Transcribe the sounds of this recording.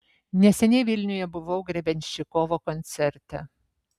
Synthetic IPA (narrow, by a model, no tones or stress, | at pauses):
nʲɛsʲɛnʲɛɪʋʲɪlʲnʲʊjɛbʊʋɐʊɡɾʲɛbʲɛnʲʃʲɪkoːʋoːkɔnʲt̪sʲɛɾʲt̪ʲɛ